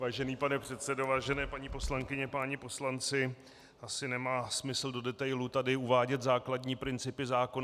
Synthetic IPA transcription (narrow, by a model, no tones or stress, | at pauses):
vaːʒɛniːpanɛpr̝̥ɛt̪sɛdovaːʒɛnɛːpaɲiːpo̞slaŋkɪɲɛpaːɲɪpo̞slant͡sɪ | ʔasɪnɛmaːsmɪsl̩do̞dɛt̪ajlut̪adɪuvaːɟɛt̪zaːkladɲiːpɾɪnt͡sɪpɪzaːkon